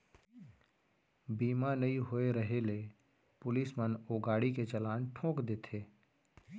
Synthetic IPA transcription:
biːmanɐĩɦoeɾəɦele | pʊlismənoːɡaːɽiket͡ʃɐlaːnʈʰõːkd̪eːt̪ʰeː

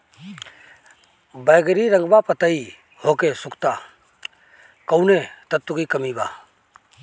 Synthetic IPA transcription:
bəjɡəɾiɾəŋɡbapət̪əi | hokesʊkʰt̪a | kəwnet̪ət̪ːukikɐmiba̰

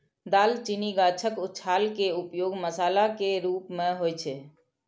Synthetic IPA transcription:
d̪alt͡ʃiniɡat͡ʃʰəkutːt͡ʃʰalkeupjoːɡməsaːlakeɾuːpmeɦojt͡ʃʰɛ

